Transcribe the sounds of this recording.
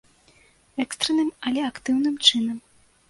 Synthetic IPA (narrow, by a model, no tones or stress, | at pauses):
ɛkst̪ɾɛnɨmɐlʲɛakt̪ɨwnɨmt͡ʂɨnɐm